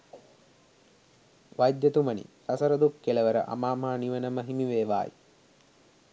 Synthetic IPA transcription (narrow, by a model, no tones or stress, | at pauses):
ʋajd̪jɐt̪umənḭsɐsɐɾəd̪ukːeləʋəɾə̰ʔa̰maːmɐɦaniʋənəməɦimiʋeːʋa̰ːjḭ